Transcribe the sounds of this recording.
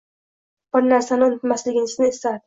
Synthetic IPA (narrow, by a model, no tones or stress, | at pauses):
b̥ɪɾnaɾsanɪʊnʊt̪maslɪɡʲɪnɪsnɪst̪ad̪